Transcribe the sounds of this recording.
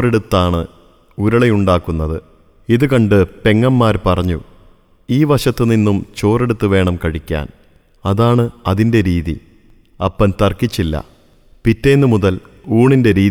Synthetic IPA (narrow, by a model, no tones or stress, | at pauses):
oreɽut̪ːaːɳɨ | uɾɐɭejuɳɖaːkːunːɐðɨ | iðukɐɳɖɨpe̞ŋːɐmːaːɾpɐrɐɲːu | iːʋɐɕɐt̪ːɨninːumt͡ɕo̞ːre̞ɽut̪ːuʋe̞ːɳɐmkɐɻikʲːa̰ːn | ɐðaːɳɨɐðinde̞ɾiːðḭ | ɐpːɐnt̪ɐrkit͡ɕːilːɐ̰ | pitːe̞ːnːɨmuðɐl | uːɳinde̞ɾiː